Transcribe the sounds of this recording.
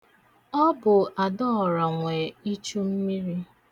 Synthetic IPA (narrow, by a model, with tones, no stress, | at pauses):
ɔ˦bʊ˨ʔa˨dɔ˦ɔ˨ɾa˨ŋʷe˨i˦t͡ʃu˦m̩˦mi˦ɾi˦